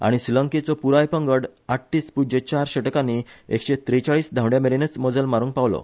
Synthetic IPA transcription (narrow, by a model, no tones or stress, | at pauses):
a̰ɽ̃isilə̃ŋket͡sɔpuɾajpə̃ŋɡəɽaʈːiːspud͡ʑet͡ɕaɾɕeʈkaniḛkɕet̪ɾit͡ɕaɭiːsd̪ʱãwɖjameɾenət͡sməd͡zəlmaɾũːŋk̚paʋlɔ̰